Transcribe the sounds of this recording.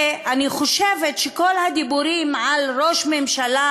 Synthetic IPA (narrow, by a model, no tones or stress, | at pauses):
aniχo̞ʃevetʃeko̞lhad̪ibuɾimʕalɾo̞ʃmemʃala